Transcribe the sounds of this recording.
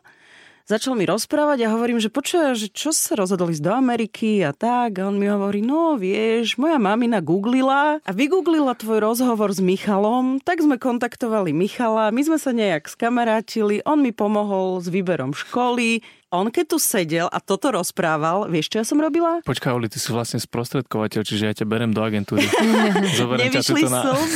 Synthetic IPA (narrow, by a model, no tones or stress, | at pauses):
zat͡ʃalmiɾɔspɾaːʋaɟaɦɔʋɔɾiːmʒɛpɔt͡ʃuʋaʒɛt͡ʃɔssaɾɔzɦɔd̪ɔliːzd̪ɔamɛɾikʰiat̪aɡaɔnmiɦɔʋɔɾiːnɔʋɪɛʒmɔjamaminaɡuːɡlilaʔaʋiɡuːɡlilat̪ʋɔjɾɔzɦɔʋɔɾzmixalɔmt̪aɡzmɛkɔnt̪akt̪ɔʋalimixalamizmɛsaɲɛjakskamaɾaːciliʔɔnmipɔmɔɦɔlzʋiːbɛɾɔmʃkɔli | ʔɔnkɛc̚t̪usɛɟɛlʔa̰t̪ɔt̪ɔɾɔspɾaːʋalʋɪɛʃt͡ʃɔjasɔmɾɔbilapɔt͡ʃkaulit͡s̪isiʋlasɲɛspɾɔst̪ɾɛt̪̚kɔʋacɛʎt͡ʃiʒɛjacabɛɾɛmd̪ɔaɡɛnt̪uːɾizɔbɛɾɛɲɛʋaʃlis